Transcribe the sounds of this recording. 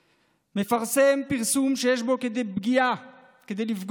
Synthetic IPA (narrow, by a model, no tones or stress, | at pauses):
me̞faʁse̞mpiʁsumʃejeʃbo̞ked̪ebɡia | ked̪ejlifɡ